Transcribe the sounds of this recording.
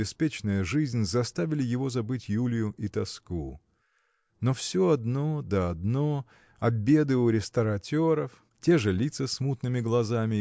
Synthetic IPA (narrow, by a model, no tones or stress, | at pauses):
ɪspʲet͡ɕnəjəʐɨzʲnʲzɐst̪avʲɪlʲɪjɪvo̞zɐbɨtʲjulʲjʊʔit̪ɐsku | nofsʲoɐd̪nod̪əɐd̪no̞ | ɐbʲe̞d̪ɨʊɾʲɪst̪əɾɐtʲo̞ɾəf | tʲe̞ʐɨlʲit̪səsmut̪nɨmʲɪɡlˠɐzamʲɪ